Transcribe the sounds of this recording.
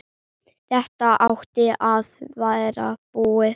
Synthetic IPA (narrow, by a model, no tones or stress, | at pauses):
θɛht̪aʔawht̪ɪʔaðvajɾa̰b̥uːɪ